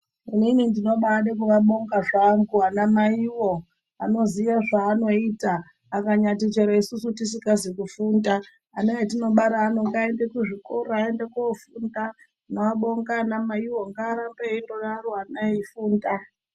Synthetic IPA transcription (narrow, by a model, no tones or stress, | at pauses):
ininindino̞ɓaɗek̬uʋaɓo̞ŋɡaʐaŋɡuanamaiwo̞ | ano̞ziʋaʐaːno̞iːtaː | kaɲatit͡ʃeɾaisusutis̬ikazikufuːndaː | najetino̞ɓaɾaːnoŋɡaendekuʐikoɾoaendekufunda | noʋaɓo̞ŋɡanamaiwo̞ŋɡaːɾambeindoɗaroanajeifuːnda